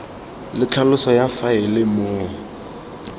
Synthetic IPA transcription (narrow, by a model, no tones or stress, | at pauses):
lɪt͡ɬʰalʊsɔjafaɪlɪmʊː